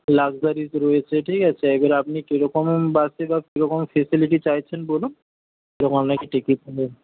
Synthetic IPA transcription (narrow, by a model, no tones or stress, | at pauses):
laɡzaɾizɾojet͡ɕʰeʈʰikat͡ɕʰeɛjbaɾapnikeɾɔkɔmbasebakiɾɔkomfesiliʈ̬it͡ɕajt͡ɕʰenbolun | keɾɔkɔmɔmnakeʈekipɔle